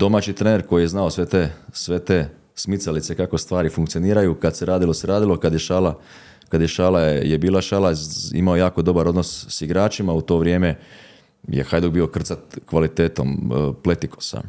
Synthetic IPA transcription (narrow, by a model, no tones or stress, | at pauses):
d̪̥o̞maːt͡ʃit̪ɾeːneɾko̞jijeznaosʋet̪esʋe̞t̪eː | smit̪salit̪se̞kako̞st̪ʋaːɾifuŋkt̪sijo̞niːɾajukad̪seɾaːd̪ilˠo̞seɾaːd̪ilo̞kad̪jeʃaːla | kad̪jeʃaːlajebiːlˠaʃaːlaḭmaojaːko̞d̪o̞baɾo̞d̪no̞ssiɡɾaːt͡ʃimaut̪o̞ːʋɾje̞ːme̞ | jḛxajd̪obiːokr̩t̪sat̪̚kʋalit̪eːt̪o̞mple̞t̪ikʰo̥sa̰